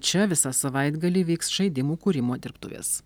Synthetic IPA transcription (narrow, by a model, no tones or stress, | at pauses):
t͡ʃʲɛʋʲɪsɑsɐʋɐɪd̪ɡɐlʲiːʋʲiːksʃɐɪd̪ʲɪmuːkuːɾʲɪmoːd̪ʲɪɾpt̪ʊ̰ʋʲḛːs